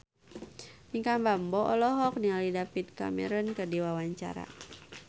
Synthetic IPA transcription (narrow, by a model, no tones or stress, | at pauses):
miŋkambambɔʔɔlɔɦɔk̚nialidafit̪̚ka̰mɛ̰ɾɔnkərdiwawaɲt͡ʃa̰ɾa̰